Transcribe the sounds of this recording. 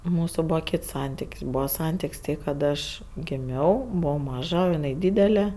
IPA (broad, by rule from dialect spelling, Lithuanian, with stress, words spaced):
ˈmuːsʊ ˈbuːʋɐ ˈkʲiːts ˈsɐnʲtʲɪkʲsʲ ˈbuːʋɐ ˈsɐnʲtʲɪkʲsʲ ˈtɐɪ ˈkɐt ɐʃ ɡʲɪˈmʲɛʊ ˈbʊʋɐʊ ˈmɑːʒɐ oː ɪˈnɐɪ ˈdʲiːdʲɛlʲɛ